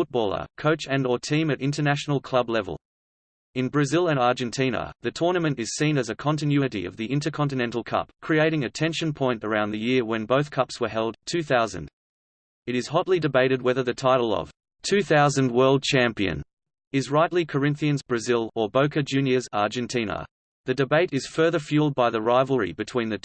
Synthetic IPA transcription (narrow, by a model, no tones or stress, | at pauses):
fʊt̚b̥ɔlˠə̰˞kʰoʊt͡ʃɨ̃nətʰĩmɨɾɪ̃ntənæʃn̩l̩ˠkʰl̥ʌblɛvə̰l̩ˠ | ɨ̃nbɹɨzɪlˠə̃nɑɹd͡ʒɨ̃ntʰĩnə̰ðɨtʰɔɹnɨmɨ̃ntɨz̥sĩnɨzɨkʰɑ̃ntɨ̃njʉɨɾḭʌ̰vðiʔɪ̃ntə˞kʰɑ̃ntɨnɛ̃ntˡl̩ˠkʰʌ̰pkʰɹ̥ieɪɾɪ̃ŋɨtʰɛ̃nʃɨ̃npʰɔ̃ɪ̃ntə˞ãʊ̃nðɨjɪɹwɨ̃nbəʊθkʰʌpswə˞ɦɛlˠd̚tʰʉθaʊzɨ̰̃nd | ɨɾɨz̥hɑtˡlidɨbeɪɾɨd̚wɛðə˞ðɨtʰaɪɾl̩ˠʌ̰v̥ | tʰʉθaʊzɨ̃nd̚wɜ˞lˠd̚t͡ʃʰæ̃mpiɨ̰̃n | ɨzɹaɪʔlikʰə˞ɪ̃nθiɨ̃nzbɹɨzɪlˠə˞bəʊkɨd͡ʒʉ̃njɨzɑ̰ɹd͡ʒɨ̃ntʰĩnə̰ | ðɨdɨbeɪɾɨz̥fɜ˞ðə˞fjʉlˠd̚baɪðəɹaɪvl̩ˠɹḭbɨtʰw̥ĩnðɨ